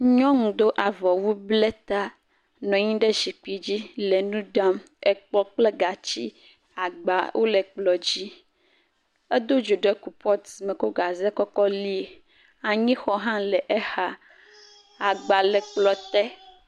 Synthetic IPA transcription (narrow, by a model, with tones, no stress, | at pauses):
ɲɔ̃˦ŋũ˨d̪o˦ʔa˨vɔ˨wu˦blɛ˦t̪a˦ | nɔ̃˨ɲĩ˦ɖe˦ʃi˨k͡pi˨d͡ʑi˦le˨nũ˦ɖa˦m | e˨k͡pɔ˦k͡ple˦ɡa˨t͡ɕi˦ | a˨ɡ͡ba˨wʔo˦le˨k͡plɔ˨d͡ʑi˦ | e˦d̪o˦d͡ʒo˨ɖe˦ku˨pɔ˦t̪sme˨ko˦ɡa˨ze˦kɔ˦kɔ˦li˦e˨ | a˨ɲĩ˦xɔ˦ɦã˦lɛ˨ʔe˦ha˨ | a˨ɡ͡ba˨lɛ˨k͡plɔ˨t̪ɛ˦